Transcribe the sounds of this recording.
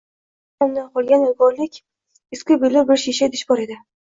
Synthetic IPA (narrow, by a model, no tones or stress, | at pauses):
amd̪anqʰɒlˠɡʲanɪjɡɒɾlɪkʲ | ɪskʲʊbelɪbɪɾʃeʃad̪ɪ̥ʃbɒɾed̪ɪ